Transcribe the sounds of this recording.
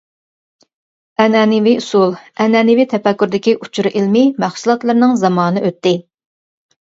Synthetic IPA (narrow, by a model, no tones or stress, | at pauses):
ɛnɛːnɪviusulˠɛnɛnɪvit̪ʰɛpɛkʲːyɾd̪ɪkʲiʔut͡ʃʰuɾʔilmɪmæχsulˠɑt̪lˠɨɾnɨŋzɑmɑːnɨʔøt̪ːɪ